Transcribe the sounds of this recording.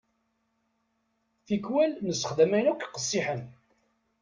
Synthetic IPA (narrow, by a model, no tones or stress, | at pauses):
θikwælnəsəχd̪æmænukqə̥sˤːiħən